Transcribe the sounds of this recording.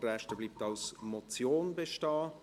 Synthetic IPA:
rɛʃtəbliːp̚tɑlsmɔt͡sjoːnbeʃtɑː

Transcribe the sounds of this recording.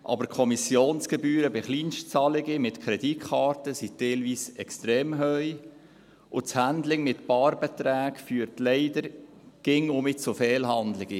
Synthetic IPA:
ʔɑ̰bəɾkʰɔmisjoːnsɡ̥ɛbyːɾəbɪχliːnʃt͡sɑlɪɡimɪtkʰɾɛditχɑːɾtəsitɛlviːsɛkst̪ɾeːmɦœʏ | ʔʊt͡shændlɪŋmɪtpɑːɾbɛt̪ɾæːkfyːɾtlɛɪdəɾ | ɡ̥ɪŋʊmit͡sʊfɛːlɦɑndlɪɡ̥i

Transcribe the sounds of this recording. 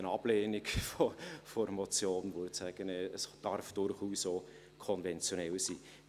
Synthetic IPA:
ənɑb̥leːnikfofɔɾmɔt͡sjoːnʋotsæɡ̥ənɛəsd̥ɑɾfd̥ʊɾχuːso | kʰɔnvɛnt͡sjonɛlsḭː

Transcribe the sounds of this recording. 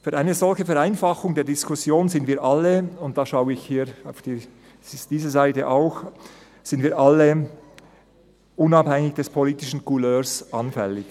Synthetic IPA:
fyːɾʔaɪnəzɔlçəfɛɾaɪnfɑxʊŋdeːɐdɪskʰʊsjoːnzɪndviːʔɑlːəʊnt̚d̥ɑːʃaʊəɪçhiːɾa̰ʊfd̥i | sd̥iːzəzaɪtəʔaʊx | z̥ɪndviːɐʔɑlə | ʔʊnɑphɛŋɪçd̥ɛspʰoliːtɪʃn̩kʰuløːsʔɑnfɛ̰lɪç

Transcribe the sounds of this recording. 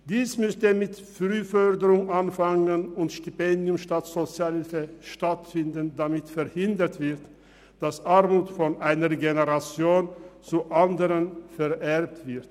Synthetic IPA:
d̥iːsmʏstəmɪtfʁyːfœɐdəʁʊŋʔanfaŋənʊntʃtypɛndjʊmʃtatz̥ot͡sjalɪfəʃtatfɪndəndamɪtfɛɐhɪndətv̥ɪʁt | d̥asʔaʁmuːtfɔnʔaɪnəʁɡeneʁat͡sjoːnt͡suʔandəʁənfɛɐʔɛʁp̚tv̥ɪɐt

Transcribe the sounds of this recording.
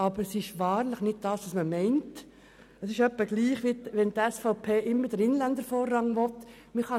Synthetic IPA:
ɑbəɾəsɪʃʋɑːɾlɪχnɪd̥̚d̥ɑːsʋosməmɛɪnt | əsɪʃœpːəɡliːχʋiʋɛnt̪ɛsfaʊpʰeːʔɪmːəd̥əɾɪnlænd̪əɾfoːrːɑŋʋɔt | mɪχɑ

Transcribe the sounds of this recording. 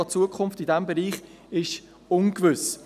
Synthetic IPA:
ɑt͡suəkχʊnftidɛmbɛɾiːχ | ɪʃ | ʊnkvʏs

